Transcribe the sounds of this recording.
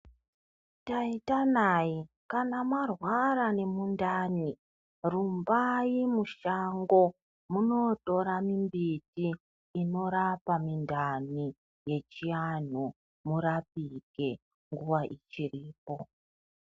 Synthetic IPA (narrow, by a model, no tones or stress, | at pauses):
taitanai | kanamarwaɾane̞mundaːni | rumbaimuʃaŋɡo̞ | muno̞to̞ɾamimbitiː | no̞ɾapamindani | je̞t͡ʃian̤u | muɾap̚iɡʱe̞ | ŋɡuwaʔit͡ʃiriːpo̞